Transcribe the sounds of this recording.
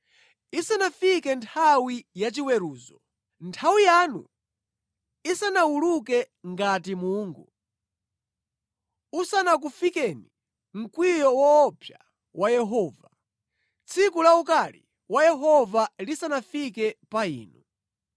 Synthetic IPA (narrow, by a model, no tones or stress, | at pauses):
isanafikɛntʰawijat͡ʃiwɛɾuːzɔ | ntʰawijaːnṵ | isanawulukɛ | ŋɡatimuːŋɡu | usanak̬ufikɛni | ŋ̩kwijɔwɔːpʰja | wajɛɦɔːva | t͡sʰikulaukalḭ | wajɛɦɔvalisanafikɛpaḭːnu